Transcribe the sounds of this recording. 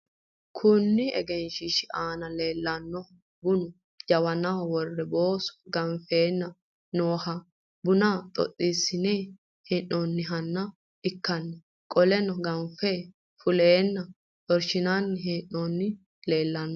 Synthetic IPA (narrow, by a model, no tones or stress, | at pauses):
kʰʊnːɪɛ̰ɡɛnʃɪʃɪʔaːnɐleːlːɐnːɔ | bʊnʊ | d͡ʒɐwɐnɐwɐwɔrːɛbo̞ːsɔ̥ɡɐɱfe̞ːnːɐ | noːhɐ | bʊnat̪ʼɔ̰t̪ʼːiːsɪneː | hɛnːonːɪɦɐnːɐ | ɪkːɐnːɛ | kʼɔlɛnɔɡɐmfeː | fʊleːnːɐ | t̪ʼɔɾʃɪnanːɪɦɛnːonːɪ | le̞ːlːɐnːɔ